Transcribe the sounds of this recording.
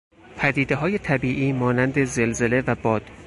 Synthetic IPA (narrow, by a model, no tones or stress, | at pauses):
pʰæd̪iːd̪e̞ɦɒːje̞t̪ʰæbiːʔiːmɒːnænd̪e̞ze̞lze̞le̞væbɒːd̪̥